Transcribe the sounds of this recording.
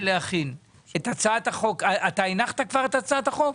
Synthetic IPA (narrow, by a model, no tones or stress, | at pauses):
leaχin | et̪at͡sat̪aχo̞kaat̪ainaχt̪akvaʁet̪at͡sat̪aχok